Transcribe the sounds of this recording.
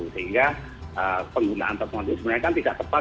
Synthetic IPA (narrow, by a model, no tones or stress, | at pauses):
usəɦiŋɡa | əpəŋɡula̰ʔa̰nt̪ɔt̪̚mand̪isəbənarkanp̪ida̰ʔt̪əpa